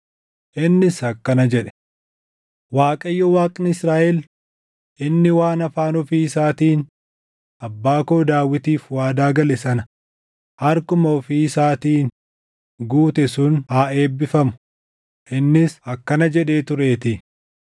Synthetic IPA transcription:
ʔɪnːɪsɐkːɐnɐd͡ʒɛᶑɛ̥ | waːkʼɐjːɔwaːkʼɪnɪsɾaːʔɛl | ʔɪnːɪwaːnɐfaːnɔfiːɪsaːt̪iːn | ɐbːaːkoːd̪aːwːɪt̪iːfwaːd̪aːɡɐlɛsɐnɐ | hɐɾkʊmɐɔfiːsaːt̪iːn | ɡuːt̪ɛsʊnhaːe̞ːbːɪfɐmʊ̥ | ʔɪnːɪsɐkːɐnɐd͡ʒɛᶑe̞ːt̪ʊɾeːt̪ɪ

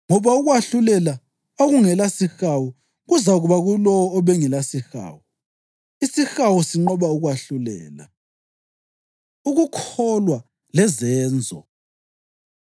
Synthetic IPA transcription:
ŋɔβauɣwaɬulɛla | oɣuŋɛlasixawu | ɣuzaɣuβaɣulɔwɔːβɛŋɛlasixa̰ːwu | isixawusiŋ͡ǃɔβauɣwaɬulɛ̰ːla̰ | uɣukʰɔlwa | lɛzɛːnd͡zʱɔ̰

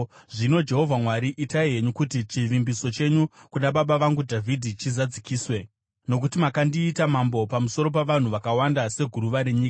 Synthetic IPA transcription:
ʐino̞d͡ʒe̞ɦo̞vʱamwaɾiʔitaiɦe̞ɲukutit͡ʃiʋimbiso̞t͡ʃe̞ɲukunaɓaɓaʋaŋɡudʱavʱidʱit͡ʃizad͡zikiːswe̞ | no̞k̬utimakandiːtamambo̞pamuso̞ɾo̞p̬aʋan̤uʋakawandase̞ɡʱuɾuʋaɾe̞ɲiːka

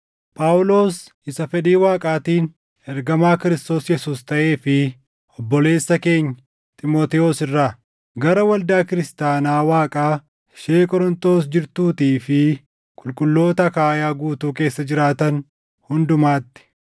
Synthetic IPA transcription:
pʼaːwʊlo̞ːs | ɪsɐfɛᶑ̪iːwaːkʼaːt̪iːn | ɛɾɡɐmaːkɪɾɪst̪o̞ːsjɛsuːst̪ɐʔe̞ːfɪ | ʔɔbːɔle̞ːsːɐke̞ːɲːɐ | t̪ʼɪmoːt̪ɛoːsɪrːaː | ɡɐɾɐwɐld̪aːkɪɾɪst̪aːnaːwaːkʼaː | ʃeːkʼɔɾɔnt̪o̞ːsd͡ʒɪɾt̪uːt̪iːfɪ | kʼʊlkʼʊlːo̞ːt̪ɐkaːjaːɡuːt̪uːk̬e̞ːsːɐd͡ʒɪɾaːt̪ɐn | hʊnd̪ʊmaːt̪ːɪ̥

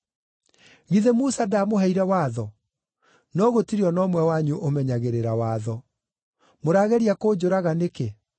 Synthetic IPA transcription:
ɣiðɛmusadamoɦɛiɾɛwaːðɔ | nɔɣotiɾiɔnɔmwɛwaɲuʔomɛɲaɣeɾeɾawaːðɔ | moɾaɣɛɾiakoːd͡ʑoɾaɣaneke

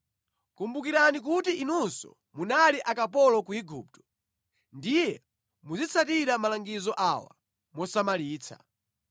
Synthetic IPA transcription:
kumbukiɾanik̬utiʔinunsɔ̰ | munaliʔakapɔlɔkuiɡuːp̚tɔ̥ | ndijɛ | mud͡zit͡sʰatiɾamalaŋɡizɔʔawa̰ | mɔsamaliːt͡sʰa̰

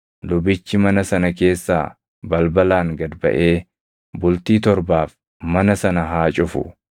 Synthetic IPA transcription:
lʊbɪt͡ʃːɪmɐnɐsɐnɐke̞ːsːa̰ː | bɐlbɐlaːŋɡɐd̪bɐ̰ʔe̞ː | bʊlt̪iːt̪ɔɾbaːf | mɐnɐsɐnɐɦaːt͡ʃʼʊfʊ̰

